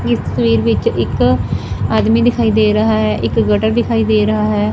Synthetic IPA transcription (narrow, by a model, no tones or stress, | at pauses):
ɪst̪ə̥sʋiːɾʋɪt͡ʃɪk | aːd̪miːd̪ɪkʰaːiːd̪eːɾəɦaːɦɛːʔɪkɡəʈəɾd̪ɪkʰaːiːd̪eːɾəɦaːɦɛː